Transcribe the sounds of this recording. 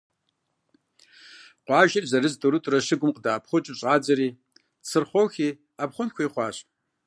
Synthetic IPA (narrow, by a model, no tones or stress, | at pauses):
qʷɑːʒɐrzɐrɨzduɾutʼrɐʂɨɡʷʊmqʼdaːp̚ʰχʷʊt͡ʃʼɪɕʼaːd͡zɐɾiː | t͡sʰɨrχʷoxʲiː | apχʷɔmkʷʰɐiχʷɑːɕ